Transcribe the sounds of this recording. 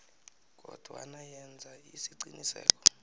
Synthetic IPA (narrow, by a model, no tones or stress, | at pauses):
k̬ʼɔd̥ʱwa̰najɛnd͡zʱaisiǀinisɛ̰ːk̬ʰʼɔ̥